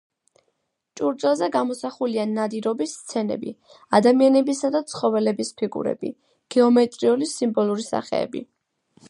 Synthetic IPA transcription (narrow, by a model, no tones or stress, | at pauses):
t͡ʃʼuɾd̪zʼɛlˠzɛɡamɔsaχulianad̪iɾɔbist̪sʰɛnɛ̰bḭ | ad̪amianɛbisad̪at̪sʰχɔvɛlɛbispʰiɡṵɾɛ̰b̥ḭ | ɡ̥ɛɔmɛt̪ʼɾiulisimbɔlˠuɾisa̰χɛ̰ɛ̰bḭ